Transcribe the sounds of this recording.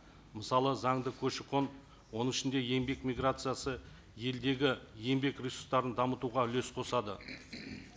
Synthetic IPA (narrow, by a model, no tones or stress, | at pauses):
məsɑlˠəzɑɴd̪əkʲʰɵʃɪqʰo̞n | wo̞nəŋɪʃɪnd̪e̞je̞mbe̞kmʲijɡrat̪sɨjasə | je̞ld̪e̞ɡʲɪje̞mbe̞krʲisu̥st̪ɑɾənd̪ɑmət̪uʁɑʏle̞sqʰo̞sɑd̪ə